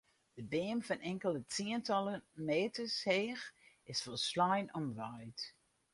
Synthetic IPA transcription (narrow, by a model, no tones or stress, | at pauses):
d̥əbeːmfɔnʔɛŋkəlˠətiəntɑlˠəmeːtəsheːx | ɪsfɔlˠslɔjnɔmʋœjt